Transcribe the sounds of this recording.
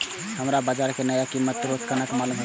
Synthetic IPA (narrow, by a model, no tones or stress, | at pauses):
həmɾabad͡ʒaːɾkenəjakimːət̪ɾot͡ʃkənakmalumɦ